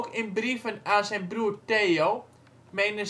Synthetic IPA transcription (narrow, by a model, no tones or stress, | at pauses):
kɪnbrivənasɛnbruərteːolˠ | menə